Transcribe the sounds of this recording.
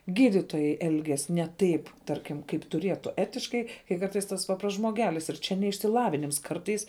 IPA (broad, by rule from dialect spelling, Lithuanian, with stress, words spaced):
ˈɡʲiːdʲɪtoːjɛɪ ˈɛlʲɡʲɛs nʲɛ ˈtɐɪp ˈtɐrʲkʲɪm kɐɪp tʊˈrʲiɛtʊ ˈæːtʲɪʃkɐɪ kɐɪ ˈkɐrtɐɪs ˈtɐs ˈpɑːprɐsts ʒmoːˈɡʲæːlʲɪs ɪr ˈt͡ʃʲɛ nʲɛ ɪʃʲsʲɪˈlˠɑːʋʲɪnʲɪms ˈkɐrtɐɪs